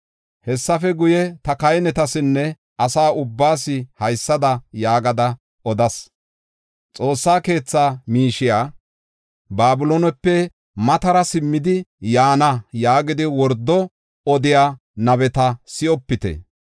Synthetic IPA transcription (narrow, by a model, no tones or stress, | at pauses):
hɛsːɐfɛɡʊjɛt̪ɐkɐjnɛt̪ɐsɪnːɛ | ʔɐsaːʊbːaːsɪhɐjsːɐd̪ɐjaːɡɐd̪ɐ | ɔd̪ɐs | t͡sʼo̞ːsːaːke̞ːt͡sːaːmiːʃɪjaː | baːbʊlonɛpːɛ | mɐt̪ɐɾɐsɪmːɪd̪ɪjaːnɐjaːɡɪd̪ɪwɔɾd̪ːɔ | ɔd̪ɪjaː | nɐbɛt̪ɐsɪɔpːɪt̪ɛ̰